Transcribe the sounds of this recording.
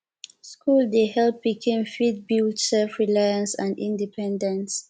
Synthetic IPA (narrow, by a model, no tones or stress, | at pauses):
skʰuldeɦɛlpːikʰĩnfid̚bildsɛlfɹilajãnsãndḭ̃ndipʰɛ̃ndɛ̃ns